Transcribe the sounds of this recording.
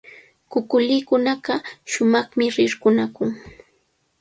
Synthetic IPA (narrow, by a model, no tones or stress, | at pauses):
kʊkʊlɪːkʊnaɢɑʃʊmɑχmɪɾɪɾkʊnakʊŋ